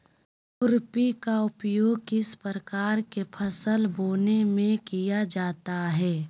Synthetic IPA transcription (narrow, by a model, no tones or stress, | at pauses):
ʊɾpikaʊpjoːɡ̚kɪspəɾəkaːɾkepʰəsəlboːnemẽkijad͡ʒaːt̪aɦɛː